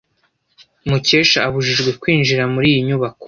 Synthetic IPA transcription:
muce̞ːʃaːβuʒiʒɡwe̞kwiːnd͡ʒiɾamuɾiːjiɲuβako̥

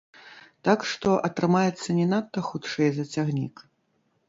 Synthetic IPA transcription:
t̪akʂt̪ɔʔɐt̪ɾɨmajɛt̪sːɐnʲɛnat̪ːɐxut̪ʂɛjzɐt͡sʲaɣnʲḭk

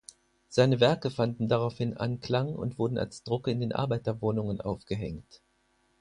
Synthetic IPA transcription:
z̥aɪnəvɛɐkəfandn̩daʁaʊfhɪnʔa̰nkl̥aŋʊ̰ntv̥ʊɐdn̩a̰lsd̥ʁʊkɪndeːnʔa̰ɐbaɪtɐvoːnʊŋənʔa̰ʊfɡ̥əɦɛŋt

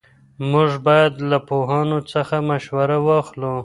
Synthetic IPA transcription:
mʊʐbɑjad̪lapoɦɑnot͡səxamaʃwaɾawɑxlo

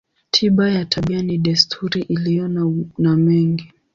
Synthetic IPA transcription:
tʰiɓajatʰaɓianiɗɛstʰuɾiʔilijɔnamɛŋɡi

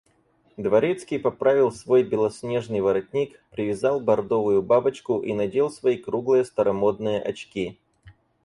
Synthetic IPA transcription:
d̪vɐɾʲet̪skʲijpɐpɾavʲɪlˠsvo̞jbʲɪlˠɐsʲnʲeʐnɨjvɐɾɐt̚ʲnʲikpɾʲɪvʲɪzɑlˠbɐrd̪o̞vʊjʊbabət͡ɕkʊʔinɐdʲelˠsvɐikɾuɡlˠɨjəst̪ɐɾɐmo̞d̪̚nɨjəʔɐt͡ɕkʲi

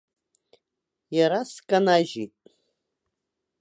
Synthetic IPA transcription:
jaɾaskʼanaʒitʼ

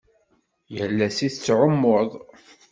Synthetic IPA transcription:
jəlːæsiθt͡sːʕomːoðˤ

